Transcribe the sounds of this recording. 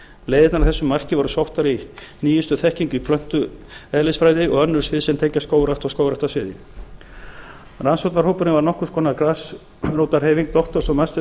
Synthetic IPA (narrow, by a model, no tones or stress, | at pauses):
leːjðɪt̪naɾaθɛsːʏmːar̥cɪvɔɾʏsowht̪aɾi | niːjʏst̪ʏθɛhciŋcʏipʰlœn̥t̪ʏ | ɛðlɪsfɾaːjðɪɔɣœnːʏɾ̥svɪðsɛnt̪ʰeːjcːaskoːwɾaht̪ɔskoːwɾaht̪asvɪːðɪ̰ | ransowt̪naɾhoːwpʏɾnɪvaɾnɔhkʏ̥ɾskɔːnakɾas | roːwt̪aɾ̥heːjviŋk̚t̪ɔht̪ɔɾ̥sɔmast̪